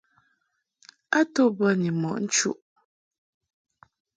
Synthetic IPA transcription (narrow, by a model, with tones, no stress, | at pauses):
a˦to˦bə˦ni˨mɔ˨ʔn̩˦t͡ʃṵ˦ʔ